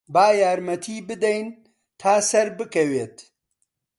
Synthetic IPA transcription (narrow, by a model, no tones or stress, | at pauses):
baːjaːɾmɐt̪ʰiːbɨd̪ɛjn | t̪ʰaːsɐɾbɨkɐweːt̪